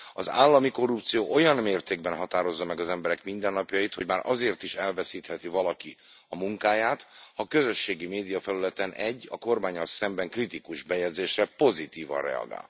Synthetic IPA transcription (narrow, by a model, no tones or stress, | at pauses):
ɒza̰ːlːɒmiko̞rːupt̪sijoːʔo̞jɒnmeːrt̪eːɡ̚bɛnɦɒt̪aːɾo̞zːɒmɛɡɒzɛmbɛɾɛkmind̪ɛnːɒpjɒjit̪ho̞ɟmaːɾʔɒzeːrt̪iʃɛlvɛsiːt̪hɛt̪ivɒlɒki | ɒmuŋkaːjaːt̪hɒkøzø̞ʃːeːɡimeːd̪ijɒfɛlylɛt̪ɛnʔɛɟːɒ̰ko̞rmaːɲːɒlsɛmbɛŋkrit̪ikuʒbɛjɛd̪zeːʃrɛpo̞zit̪iːvɒ̰nrɛ̰ɒ̰ɡa̰ːl